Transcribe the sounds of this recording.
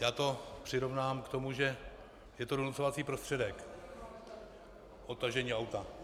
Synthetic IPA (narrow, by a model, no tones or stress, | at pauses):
jaːt̪o̞pr̝̥ɪɾo̞vnaːmkt̪o̞muʒɛ | jɛt̪o̞do̞nut͡so̞vat͡siːpɾost̪r̥ɛdɛk | ʔot̪ːaʒɛɲiːawt̪a